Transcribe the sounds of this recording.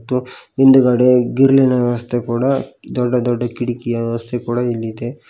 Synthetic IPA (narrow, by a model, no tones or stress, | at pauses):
t̪ːuind̪ɐɡɐɽeɡiɾlinɐʋɐst̪ekuːɽɐd̪ɔɖːɐd̪ɔɖːɐkiɽikijɐʋɐst̪ʰekuːɽɐilːid̪e